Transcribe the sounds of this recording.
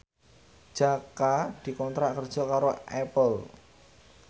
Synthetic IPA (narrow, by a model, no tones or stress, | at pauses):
ʒ̥akad̪̥i̤kɔnt̪ɾaʔkərd̥ʒ̥ɔ̤kaɾoʔɛpəl